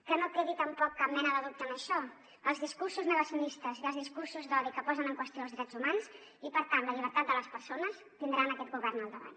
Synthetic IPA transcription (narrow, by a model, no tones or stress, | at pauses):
kənokɾeðit̪əmpɔkːap̚mɛnəðəðup̚t̪əməʃɔ | əlˠzðiskursuznəɣəsiunist̪əziðəlˠzðiskursuzðɔβikəpɔzənəŋkwəst̪ijoəlzðɾɛd͡zumanz | ipəɾt̪anləʎiβəɾt̪at̪̚d̪ələspəɾsonəs | t̪ind̪ɾanəkɛt̪̚ɡuβɛrnəlˠd̪əβa̰ɲ